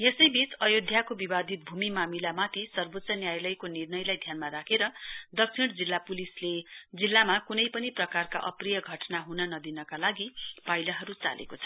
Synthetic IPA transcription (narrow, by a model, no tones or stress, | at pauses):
jesʌjbit͡sʌjod̪ʱjakobibad̪ʱit̪̚bʱumimamilamat̪ʰisʌrbot̪ːsʌnjajlʌjkonirnʌjlajd̪ʱjanmaɾakʰeɾʌd̪ʌksʰiɽ̃d͡zilːapulisled͡zilːamakunʌjpʌniprʌkarka̰ʔʌ̰prijʌɡʱʌʈnaɦunʌnʌd̪inʌkalaɡipajlʌɦʌɾut͡sa̰lḛkot͡sʰʌ̥